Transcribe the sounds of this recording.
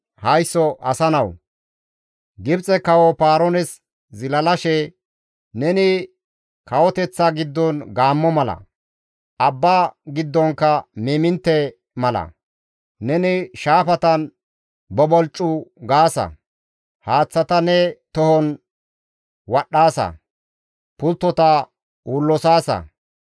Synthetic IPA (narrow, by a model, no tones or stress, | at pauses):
hɐjsːɔʔɐsɐnɐw | ɡɪbt͡sʼɛkɐwɔpaːɾɔnɛs | zɪlɐlɐʃɛ | nɛnɪ | kɐwɔt̪ɛt͡sːaɡɪd̪ːɔnɡaːmːɔmɐlɐ̰ | ɐbːaːɡɪd̪ːɔŋkɐmiːmɪnt̪ːɛ | mɐlɐ̰ | nɛnɪʃaːpɐt̪ɐn | bɔbɔlt͡ʃʼːʊɡaːsɐ̰ | haːt͡sːɐt̪ɐnɛt̪ɔhɔn | wɐɗːaːsɐ̰ | pʊlt̪ːɔt̪ɐ | uːlːɔsaːsɐ̰